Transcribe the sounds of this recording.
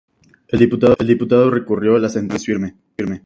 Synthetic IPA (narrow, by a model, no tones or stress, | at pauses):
eld̪iput̪aðld̪iput̪aðo̞rekurjoalasent̪esfiɾme | iɾme